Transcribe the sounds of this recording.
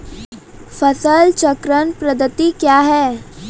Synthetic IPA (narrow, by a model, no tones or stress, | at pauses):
fəsəlt͡ʃəkɾənpɾəd̪ət̪ikjaɦɛː